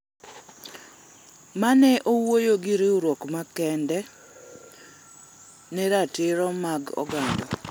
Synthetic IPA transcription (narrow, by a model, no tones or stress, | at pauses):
manɛʔowojoɡɪɾeuɾwɔkmakɛndɛ | nɛɾatɪɾɔmaɡɔ̰ɡandɔ